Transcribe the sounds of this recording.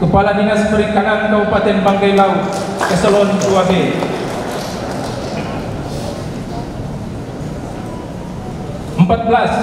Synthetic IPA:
kupaladiŋaspəɾikaŋaŋkabupat̪ɛnbaŋkajlaut̪̚kəsəlɔnduabe | əmpat̪̚bəlas

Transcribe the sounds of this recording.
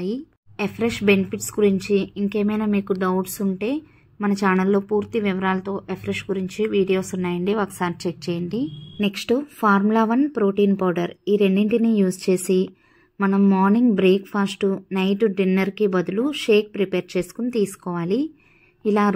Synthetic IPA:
ji | epʰɾeʂbe̞nipʰiʈsɡuɾiɲt͡ʃiiŋke̞ːmɐjnɐmiːkuɖɐwɖsuɳʈe̞ː | mɐnɐt͡ʃaːnɐlːo̞ːpuːɾt̪iʋiʋɐɾaːlɐt̪o̞ːʔepʰɾeʂɡuɾiɲt͡ʃiʋiːɽijo̞ːsunːaːjɐɳɖiʋɐːkɐ̥saːɾt͡ʃek̚t͡ʃeːjɐɳɖine̞ksʈpʰaːɾmlaːʋɐnpɾoːʈiːnpɐːwɖɐɾiːɾe̞ɳɖiɳʈinijuːst͡ʃe̞ːsi | mɐnɐmːaːɾniŋɡbɾeːkpʰaːsʈunɐjʈuɖinːɐɾkibɐd̪uluʂe̞ːk̚pɾipeːɾt͡ʃe̞ːsu̥kunit̪iːsu̥kɔːʋaːli | ilaː

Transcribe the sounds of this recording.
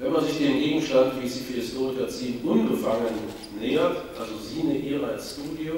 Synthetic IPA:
vɛnmanzɪçd̥eːmɡeːɡŋ̩ʃtantv̥iːzifihɪstoːʁɪkɐt͡siːnʔʊnbəfaŋənː | eːɐtʔalzoziːnəʔiːʁəasʃtuːdio

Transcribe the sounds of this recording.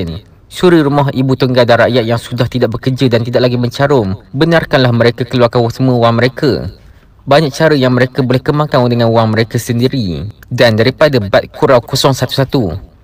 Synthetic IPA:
n | suɾiɾumɔɦibut̪əŋɡaldanɾaʔjat̪̚jaŋsudaht̪idaʔ̚bəkərd͡ʒədant̪idaʔ̚laɡimə̃ɲt͡ʃaɾʊmbənarkanlahməɾekakəluarkawɔsəmə̃waŋməɾeka̰ | baɲak̚t͡ʃaɾəjaŋmə̃ɾekabolɛhkəmãkaŋdəŋãnuwaŋmə̃ɾekasəndiɾidandaɾipadabat̪̚kʰuɾawkosɔŋsat̪u̥sat̪u

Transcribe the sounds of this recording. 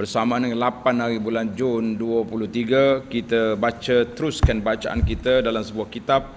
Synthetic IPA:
bərsamãnəŋanlapanaɾibuland͡ʒunduəpuluht̪iɡakit̪əbat͡ʃət̪əɾuskanbat͡ʃaʔa̰nkit̪ədalamsəbuahkit̪ap̚

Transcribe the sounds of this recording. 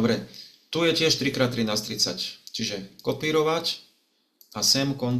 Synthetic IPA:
ɔbɾɛt̪ujɛcɪɛʃt̪ɾikɾaːt̪ːɾinaːst̪ɾit͡sa̰ct͡ʃiʒɛkɔpiːɾɔʋac | asɛmkɔn

